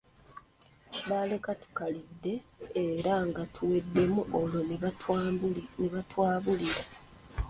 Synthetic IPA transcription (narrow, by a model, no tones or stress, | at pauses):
βaːle̞katu̥kalidːe̞ːɾaŋɡatʰuwe̞dːe̞muolo | niβatwaːβuliɾa